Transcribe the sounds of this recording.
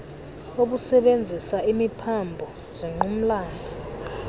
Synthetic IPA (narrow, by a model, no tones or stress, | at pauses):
oɓ̬usɛɓend͡zʱisaʔimipʰambʱɔ | z̥iŋ͡ǃʱum̩laːndʱɔ